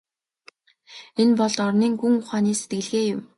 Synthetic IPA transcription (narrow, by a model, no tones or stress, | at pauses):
enpɔɮt̪ɔrniːŋxuŋʊχaːniːset̪̚ɡɘ̆ɮɣeːjʊm